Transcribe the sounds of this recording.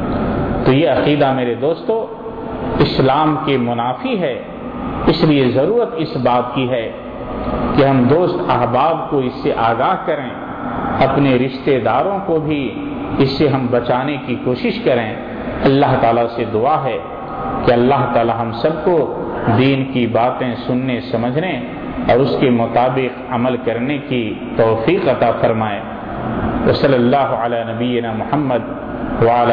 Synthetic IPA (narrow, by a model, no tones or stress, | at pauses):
t̪ojeɐqiːd̪ameːɾed̪oːst̪õ | ɪslaːmkemʊnaːfiɦɛː | ɪsliezɐɾuːɾət̪ɪsbaːt̪kiɦɛː | keɦɐ̃md̪oːst̪ɐɦbaːb̚koɪsːeʔaːɡaːɦkɐɾẽ | ɐpneɾɪʃt̪ed̪aːɾõkobʱi | ɪsːeɦɐ̃mbɐt͡ʃaːnekikoːʃɪʃkɐɾẽ | ɐlːaɦt̪aːlased̪ʊaɦɛː | keɐlːaɦt̪aːlaɦɐ̃msɐb̚kod̪iːnkibaːt̪ẽsʊnːesɐməd͡ʒʱne | ɔːɾʊskemʊt̪aːbɪqɐməlkɐɾneki | t̪ɔːfiːqɐt̪afɐɾmaːe | ʋɐsɐlːɐlːaːɦʊɐlaːnɐbijɪnaːmʊhəmːəd̪ | ʋal